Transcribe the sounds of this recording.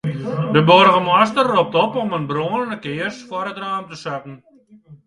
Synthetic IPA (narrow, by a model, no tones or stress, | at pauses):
dəborəɣəmastərːop̚tɔpɔmənbroːənənəkɪːərsfɔɾətraːmtəsakn̩